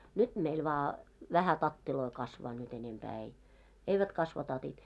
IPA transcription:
nyt meil ʋɑː ʋæhæ tɑtːiloi kɑsʋɑː nyt enempæː ei eiʋæt kɑsʋɑ tɑtit

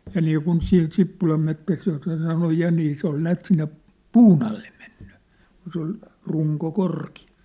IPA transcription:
jɑ niːkun sin sipːulɑm metːæs josːɑ sɑnoj jɑ niː se ol næːt sinːe puːn ɑlːe men̥ːẙ kun se ol ruŋko korkiɑ

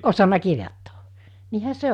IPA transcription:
osɑnɑ kirjotːo̥ː niːhæ se

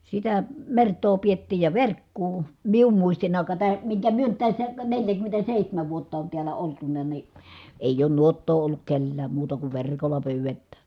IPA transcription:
sitæ mertˑoː pietːiːj jɑ ʋerkːuː mium muistinː ɑˑikɑ tæː miŋkæ myø nyt tæsːæ kæ neljækymːentæseˑihtæmæʋ ʋuotːɑ on tiælæ oltunɑ ni eˑij oːn nuotːoː olːuk kelːæːm muːtɑ kuʋ ʋerˑkolːɑ pyːʋetːæː

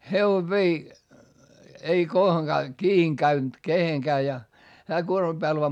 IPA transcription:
heʋoʋ ʋei ei kohoŋkɑː kiːiŋ kæynt keheŋkæː jɑ hæː kuormɑm b̥æːl ʋɑː

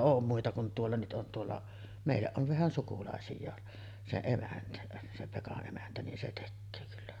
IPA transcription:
oːm muitɑ kun tuolːɑ nyt ʔon tuolːɑ meˑijˑæʔ ʔoʋ ʋæhæn sukulɑˑesijˑɑː se emæntæ se pekɑʔ ʔemæntæ nin se tekːøː kylːæ

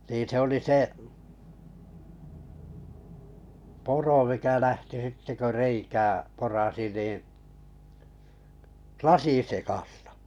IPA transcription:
niː se oli se puro mikæ læhti sitːe kø reikæː porɑsi niˑ lɑsisekɑstɑ̥

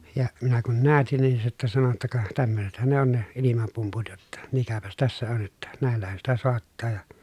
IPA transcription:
jɑ minæ kun næːtin nin se sitːæ sɑno tːɑ kɑ tæmːøsethæn ne on ne ilimɑpumput jotːɑ mikæpæs tæsːæ on jotːɑ næˑelːæhæn sitæ soɑtːɑː jɑ

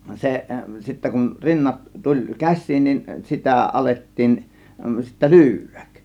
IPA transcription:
seʔ sitːæ kun rinːɑt tulʲ kæs̆ʲsiːn nin sitæˑ ʔɑletːiːn sitːæ lyːʋˑæ̥k

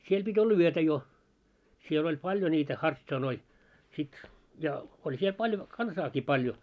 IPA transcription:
siel b̥itʲ olːɑ yøtæ jo siel olʲ pɑlʲjo nʲiːtæ hɑrts̆ɑnoi sit jɑ olʲ siel pɑlʲjo kɑnsɑːki pɑljo

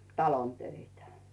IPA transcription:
tɑlon tøitæ

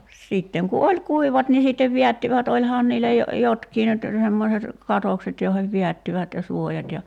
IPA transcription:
sitːeŋ ku olʲ kuiʋɑt ni sitːeʋ ʋiætːiʋæt olʲhɑːn niːlːæ jo jotkiː nyt semːoset kɑtokset joiheʋ ʋiætːiʋæt jɑ suojɑt jɑ

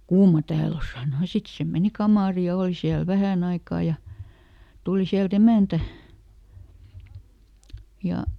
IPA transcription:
kuːmɑ tæːl o sɑˑno jɑ sit se meni kɑmɑˑri jɑ oˑl siæl ʋæhæn ɑikɑˑ jɑ tuli siælt emæˑntæ jɑ

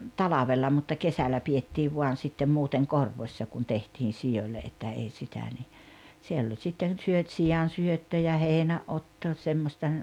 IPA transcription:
tɑlɑʋelːɑ mutːɑ kesælæ pietːiːʋ ʋuɑn̞ sitːem muːteŋ korʋosʲːɑ kun tehtiːn̞ sij̆olʲːe etːæ ei sitæ ni sielː olʲ sitːen̞ syøt sijɑn̞syøtːø jɑ heˑinæʔːotːo semːosʲtɑ

